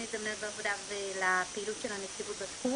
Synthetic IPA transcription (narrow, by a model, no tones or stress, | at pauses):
it̪d̪amnenbaːvod̪avelapeiːlutʃelhanet͡sivut̪̚batku